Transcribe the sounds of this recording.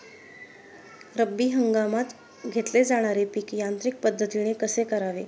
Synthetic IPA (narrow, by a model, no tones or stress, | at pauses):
ɾəbːiːɦəŋɡamat̪ | ɡʱet̪led͡zaɽ̃aɾepikjant̪ɾik̚pəd̪ʱːət̪iɽ̃ekəsekəɾaʋe